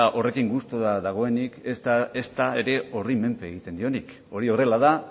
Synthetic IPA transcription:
aʔo̞re̞kiŋɡust̪o̞ðaðaɣ̞o̞e̞nikest̪aeɾe̞o̞rime̞mpe̞ːɣ̞it̪end̪io̞nik | o̞ɾio̞re̞laða

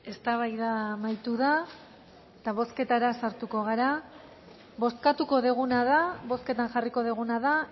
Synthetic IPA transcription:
e̞st̪aβajðamajt̪uða | t̪aβ̞o̞ske̞t̪aɾasaɾt̪uko̞ɣ̞aɾa | βo̞skat̪uko̞ðeɣ̞unaðaβo̞sket̪anʝariko̞ðeɣ̞unaða

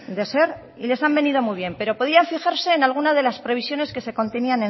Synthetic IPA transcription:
d̪e̞se̞ɾ | ḭle̞sambe̞nið̞o̞mujβ̞je̞mpe̞ɾo̞po̞ð̞iaɱfixaɾse̞ːnalɣ̞unazðe̞laspɾe̞β̞isjo̞ne̞ske̞se̞ko̞nt̪e̞niane

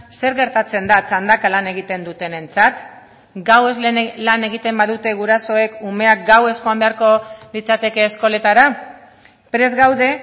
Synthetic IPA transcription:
se̞ɾɣe̞ɾt̪at͡se̞nd̪at͡sand̪akalane̞ɣit̪e̞nd̪ut̪e̞ne̞nt͡sat̪ | ɡawe̞zlane̞ɣit̪e̞mbaðut̪e̞ɣuɾaso̞e̞kume̞akɡawe̞sxoambe̞aɾko̞lit͡sat̪e̞ke̞ːsko̞le̞t̪aɾa | pɾe̞zɣawðe̞

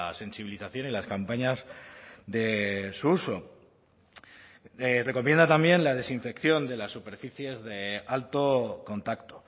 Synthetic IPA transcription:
ase̞nsiβ̞iliθaθjo̞nilaskampaɲazðe̞suuso̞ | ere̞ko̞mje̞nd̪at̪ambje̞nlað̞e̞siɱfe̞kθjo̞nd̪e̞lasːupe̞ɾfiθje̞zðe̞alt̪o̞ko̞nt̪akt̪o̞

